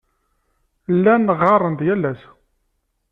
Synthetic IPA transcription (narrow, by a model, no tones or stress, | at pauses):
lːænəʁːɑrˤːənd̪jælːæs